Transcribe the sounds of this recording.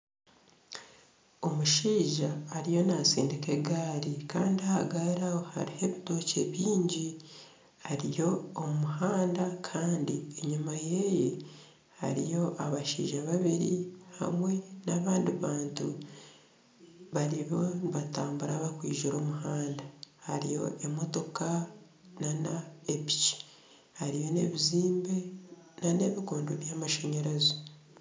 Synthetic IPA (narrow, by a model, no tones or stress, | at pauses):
o̞muʃiːʒaːɾijo̞nasiːndike̞ɡaːɾikaːndiahaɡaɾahoha̰ɾihe̞βito̞ce̞βiːɲɟi | aɾijo̞ːumuɦaːndakʰaːndieɲumaje̞je | ha̰ɾijo̞ʔaβaʃḭːʒaβaβiɾiha̰mwe̞naβaːndiβaːntu | βaɾiβo̞niβataːmbuɾaβakwiːʒiɾo̞ːmuɦaːndahaɾḭjo̞̰ʔemo̞to̞ka | nanaepi̥t͡ʃi̥ | haɾijo̞ne̞βiziːmbe̞nane̞ːβikoːndoβjamaʃe̞ɲe̞ɾezo